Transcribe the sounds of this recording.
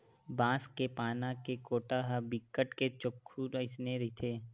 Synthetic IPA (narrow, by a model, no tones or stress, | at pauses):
bãːskepaːnãkekoːʈaɦabɪkːəʈket͡ʃʊkʰːuɾɪsneɾɪt̪ʰeː